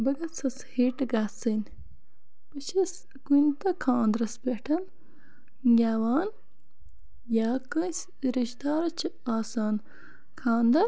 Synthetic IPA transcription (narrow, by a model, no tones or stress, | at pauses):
bɐɡɐt͡sɐsheːʈɡaːsɐn | b̥ɐt͡ʃɐs | kunt̪ɐkʰãːnd̪ɾɐspʲeʈʰɐn | ɡʲaːwaːn | jaːkɐ̃s | ɾiʃd̪aːɾɐt͡ʃʰi | aːsaːn | kʰãːnd̪ɐ